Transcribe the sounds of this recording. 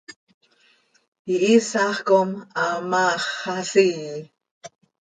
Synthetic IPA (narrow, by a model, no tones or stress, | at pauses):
iʔisaχkomamaχːasiː